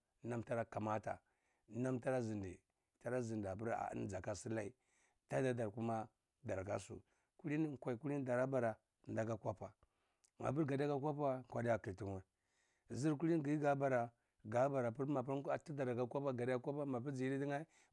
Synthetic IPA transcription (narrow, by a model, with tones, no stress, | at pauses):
na˦mta˦ɾa˦ka˨ma˦ta̰˨ | na˦mta˦ɾa˦zi˨ndḭ˨ | ta˦ɾa˦zi˨nda˨pi˦ɾa̰˨˦n˦d͡za˨ka˦si˦la˦i˨ | ta˦da˨da˨ɾku˦ma˦ | da˨ɾka̰˦sṵ˨ | ku˦li˦n˦˨kʷa˨i˨ku˦li˦n˦da˨ɾa˦ba˨ɾa˨ | nda˨ɡa˦kʷa˦pa˨ | ma̰˨p̬u˦ɾɡa˨da˦ɡa˦kʷa˦pa˦˨kʷa˦di˦a˨ki˨ti˨ŋ˨a˦˨ | zi˦ɾku˦i˦n˦ɡi˦ɡa˨˦ba˨ɾa˨ | ɡa˦ba˨ɾa˨pi˦ɾma˨pti˦da˨ɾa˨ɡa˦kʷa˦pa˦ɡa˨da˦kʷa˦pa˦ma˨p̬i˦d͡ʒi˨˦di˦di˦ŋa˦i˦